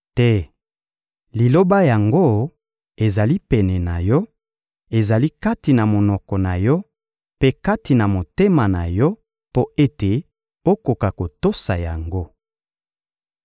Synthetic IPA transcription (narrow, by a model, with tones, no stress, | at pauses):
tɛ˦ | li˨lo˦ba˦ja˨ŋɡo˦ | e˨za˨li˦pɛ˨nɛ˨na˨jɔ˦ | e˨za˨li˦ka˦ti˨na˨mo˨nɔ˨kɔ˨na˨jɔ˦ | pe˦ka˦ti˨na˨mo˨te˦ma˨na˨jɔ˦ | po˦e˦te˨ | o˦ko˨ka˨ko˨to˦sa˨ja˨ŋɡo˦